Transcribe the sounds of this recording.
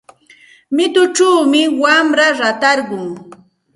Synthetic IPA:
mɪt̪ʊt͡ʃaːmɪwamɾaɾat̪ɑɾɢʊŋ

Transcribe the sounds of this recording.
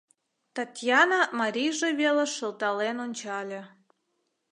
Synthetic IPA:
t̪ɑt̪ʲjɑnɑmɑɾʲijʒeβelĕʃə̆lt̪ɑlenonʲt͡ɕɑlʲĕ

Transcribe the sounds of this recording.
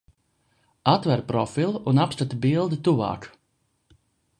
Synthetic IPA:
at̪vɛɾpɾɔfilˠunapst̪at̪biəlˠd̪ət̪uʋa̰ːk

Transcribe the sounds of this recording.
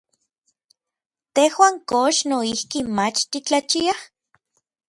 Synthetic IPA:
t̪ehwaːŋkoʃnoihkimat͡ʃt̪it͡ɬat͡ʃiah

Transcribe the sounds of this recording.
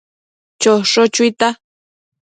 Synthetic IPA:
t͡ʃoʂot͡ʃʊjt̪a

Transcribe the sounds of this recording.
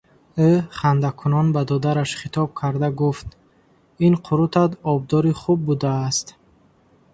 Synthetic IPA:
øχand̪akʰunɔnbad̪ɔd̪aɾaʃχit̪ʰɔb̚kʰaɾd̪aɡuft̪ | inqʰuɾut̪ʰat̪ɔb̚d̪ɔɾiχub̚ːud̪aːst̪

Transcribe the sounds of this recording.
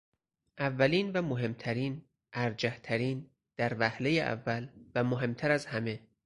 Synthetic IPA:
ʔævːæliːnvæmoɦe̞mt̪ʰæɾiːn | ʔæɾd͡ʒæht̪ʰæɾiːn | d̪̥æɾvæhlejeʔæ̰vːælvæmoɦe̞mt̪ʰæɾæzhæme̞

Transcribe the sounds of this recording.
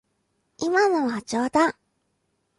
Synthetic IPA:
imanoβat͡ɕoːt̪a

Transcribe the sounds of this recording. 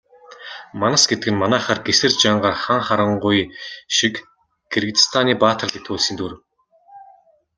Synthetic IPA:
manăsɡet̪ɘɡɘ̆nmanæːχaːrɡesɘ̆rt͡ɕaɴɢaːrχaŋχaɾə̆ɴɢʊjʃik | ɡ̥erɡɘt̪st̪ʰaniːpaːt̪ʰə̆rɮet̪ʰuːɮsiːnt̪ʰuɾɘ̆w

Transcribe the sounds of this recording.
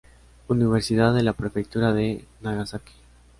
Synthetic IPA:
uniβe̞ɾsiðaðːe̞lapɾe̞fekt̪uɾaðenaɣasaki̥

